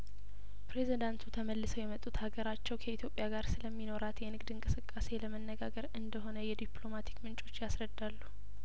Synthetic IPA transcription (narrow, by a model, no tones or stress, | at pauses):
pɾe̞zid̪ant̪ʰut̪ʰəməlːɨsəwjɛmət̪ʼːut̪haɡəɾat͡ʃːɛwkʰəit̪ʰjo̞pʼːjaɡaɾsɨləmːino̞ɾat̪jɛnɨɡd̪ɨŋkʼɨsɨkʼːase̞ləmənːəɡaɡəɾɨnd̪əɦo̞nəjɛd̪iplo̞mat̪ʰi̥kmɨnt͡ʃʼo̞t͡ʃːjasɾəd̪ːalːu